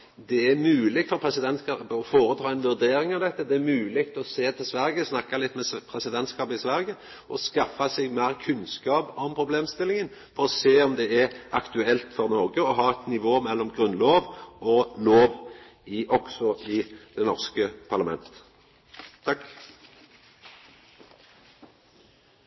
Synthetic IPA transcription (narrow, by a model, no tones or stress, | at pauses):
d̪ɛæɾmʉːlɪɡ̪̚fɔɾpʰɾɛsɪd̪ɛnt̪skɑːəpəɔfoːɾət̪ʰɾɑːɛnʋʉʁd̪eːɾɪŋɑʋd̪ɛt̪ːəd̪ɛæɾmʉːlɪkt̪ɔseːt̪ʰɪlsʋæʁɡəsnɑkːɑlɪt̪ːmɛpʰʁɛsɪd̪ɛnt̪skɑːpəɪsʋæɾɡə | ʔɔskɑfɑsɛɡmæːʁkʰʉnskɑːpɔmpʰɾʊbleːmst̪ɪlɪŋən | fɔʁɔseːɔmd̪ɛæɾɑkt̪ʉɛlt̪fɔʁnoːɡəɔɦɑːɛt̪nɪʋoːmɛlːɔmɡʁʉnloːʋɔloːʋ | ɪʔɔɡ̥sɔɪd̪̥ɛnɔʁskəpʰɑʁlɑmɛ̰nt̪ə | t̪ʰɑkː